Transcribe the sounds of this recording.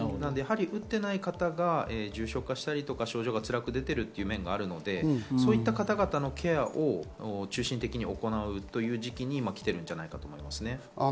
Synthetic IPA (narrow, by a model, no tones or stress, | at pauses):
nanod̪e̞jaɦaɾʲiʔɯ̟t̪ːe̞naikat̪aɡaeʑɨːɕo̞kaɕi̥t̪aɾʲit̪o̞kaɕo̞ːʑo̞ːɡat͡sɨɾakɯ̟d̪e̞t̪e̞ɾɯ̟t̪ːe̞jɯ̟mẽ̞ŋɡaːɾɯ̟no̞d̪e̞so̞ːit̪ːakat̪aɡat̪ano̞kʰe̞aʔo̞t͡ɕɨːɕĩnt̪e̞kʲiɲ̟io̞ko̞naɯ̟t̪o̞jɯ̟ːʑikʲiɲ̟imakʲi̥t̪e̞ɾɯ̟̃ɲ̟d͡ʑanaikat̪oːmo̞imasɨne̞